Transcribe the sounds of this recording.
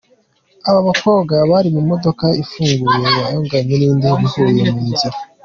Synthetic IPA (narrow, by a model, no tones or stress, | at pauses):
aβaβako̞ːβɡaβaɾimumo̞do̞kaifuːŋɡuɾejajoːŋɡaɲeniːndiβihujemiːza